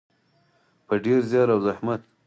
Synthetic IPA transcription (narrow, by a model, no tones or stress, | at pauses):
pəɖeɾzjɑɾawzahmat̪̚